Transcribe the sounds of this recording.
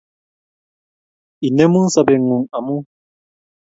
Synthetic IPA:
i˨nɛ˦mu˦nsa˨bɛ˨ŋu˨ŋa˨mu˦

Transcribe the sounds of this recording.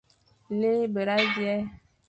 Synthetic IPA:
le˦be˨ɾa˦djɛ˦

